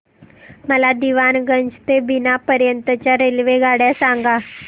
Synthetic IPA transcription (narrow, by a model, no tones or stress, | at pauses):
məlad̪iʋanɡəɲd͡ʑt̪ebinapəɾjənt̪ət͡ɕjaɾelʋeɡaɽjasaŋɡa